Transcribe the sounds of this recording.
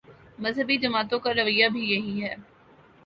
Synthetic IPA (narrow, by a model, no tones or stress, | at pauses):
mɐzɦəbid͡ʒ̪ɐmaːt̪õkaɾɐʋəijːabʱijɐɦiɦɛː